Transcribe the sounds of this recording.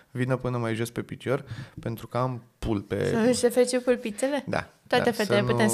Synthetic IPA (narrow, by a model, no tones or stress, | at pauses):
vinəpɨnəmajʒo̞spe̞pit͡ʃo̞rpe̞nt̪ɾukəampulpḛəsefeɾit͡ʃikulpit̪sele̞d̪a̰t̪oaefetselenpuem